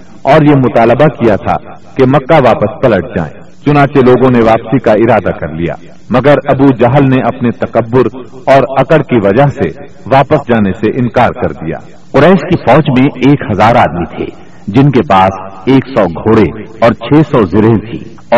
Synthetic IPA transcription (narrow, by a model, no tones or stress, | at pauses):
ɔːɾjemʊt̪aːləbakijat̪ʰa̰ | kemɐkːaʋaːpəspɐləʈ̚d͡ʒa̰ːḛ̃ː | t͡ʃʊnãːt͡ʃeloːɡõneʋaːpsikaɪɾaːd̪akɐɾlija̰ː | mɐɡəɾɐbud͡ʒaɦəlneʔɐpnet̪ɐkəbːʊɾ | ɔːɾɐkəɽkiʋɐd͡ʒəɦse | ʋaːpəsd͡ʒaːneseʔɪ̃nkaːɾkɐɾd̪ija̰ː | qʊɾɛːʃkifɔːd͡ʒmẽeːkhɐzaːɾaːd̪mit̪ʰḛː | d͡ʒɪnkepaːseːksɔːɡʱoːɽeɔːɾt͡ʃʰɛːsɔzɪɾet̪ʰḭː | ɔː